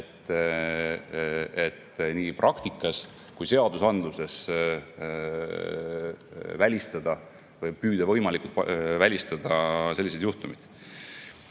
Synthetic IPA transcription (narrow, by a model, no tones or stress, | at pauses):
et̪ːˑ | et̪ːniːprʔɑkt̪ikːˑɑs | kujse̞ɑd̪̥usɑnd̪luse̞s | vælʲist̪ɑd̪̥ɑ | vɤjpyːd̪̥ɑvɤ̞jmɑlʲikult̪vælʲist̪ɑd̪̥ɑse̞lːis̬e̞d̪̥juht̪umid̪̥